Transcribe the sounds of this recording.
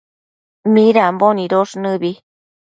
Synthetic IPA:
mĩɾamboniɾoʂnɨβi

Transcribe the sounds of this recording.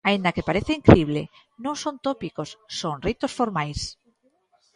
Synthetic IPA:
aind̪akepaɾeθeiŋkɾeiβle | nõŋsont̪opikosːoŋrit̪osfoɾmajs

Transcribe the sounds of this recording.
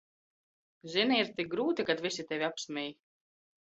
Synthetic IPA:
ziniiɾt̪ik̚ɡɾuːt̪ikat̪visʲit̪ʲɛvʲiapsmʲɛj

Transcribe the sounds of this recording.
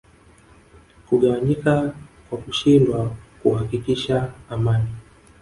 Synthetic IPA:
kuɠawaɲikakwakuʃindwakuhakikiʃaːmani

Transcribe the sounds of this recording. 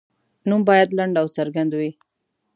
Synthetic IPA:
numbɑjad̪laɳɖawt͡saɾɡand̪wi

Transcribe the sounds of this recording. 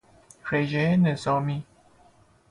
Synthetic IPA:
ɾeʒeenezɒːmi

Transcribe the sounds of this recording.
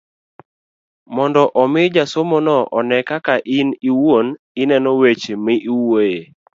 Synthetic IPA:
mɔndɔʔɔmɪd͡ʒasomonɔʔɔnɛkakaʔɪniwon | ɪnɛnɔwet͡ʃmɪʔiwoje

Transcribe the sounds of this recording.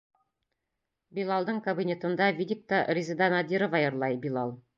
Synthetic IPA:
bʲilˠɑlˠd̪ɤɴkɐbʲinʲet̪ɤ̆nd̪ɑvʲid̪ʲik̚t̪arʲizɘd̪anad̪ʲiɾovɑjɤ̆ɾlˠɑjbʲilˠɑlˠ

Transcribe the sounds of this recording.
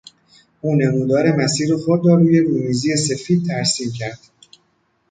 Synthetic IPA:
ʔuːne̞muːd̪ɒːɾe̞mæsiːɾoxod̪ɾɒːɾuːje̞ɾuːmiːziːje̞se̞fiːd̪̚t̪ʰæɾsiːmcʰæɾd̪̥

